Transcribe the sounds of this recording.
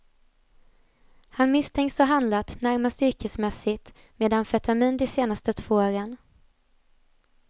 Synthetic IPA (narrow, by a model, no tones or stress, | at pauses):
hanmɪst̪ʰɛŋksɔɦand̪lat̪næɾmast̪ʏɾkəsmɛsɪt̪ | meːd̪anfɛt̪amiːnd̪ɛseːnast̪ət̪ʰv̥oːoːɾən